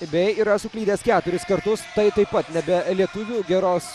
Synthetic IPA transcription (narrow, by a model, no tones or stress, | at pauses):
bʲɛɪiːɾɐsʊklʲiːd̪ʲeːskʲæːt̪ʊɾʲɪskɐɾt̪ʊst̪ɐɪt̪ɐɪpːɐt̪nʲɛbʲɛlʲiɛt̪ʊʋʲuːɡʲɛɾoːs